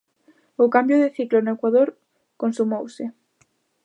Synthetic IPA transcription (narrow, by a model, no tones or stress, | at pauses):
ʊkambjʊðɪθiklonoekwaðoɾ | konsumowsɪ